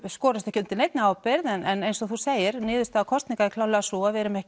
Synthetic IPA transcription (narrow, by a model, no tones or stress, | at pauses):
skɔːɾɪst̪ɛhcːɪʏnt̪ɪnejt̪nɪaːwpɪɾðɛnɛnejnsɔθuseːjɪɾnɪːðʏst̪aðːkʰɔst̪niŋkaðɪkʰlawlɛɣasuaðvɛɾʏmɛhcɪ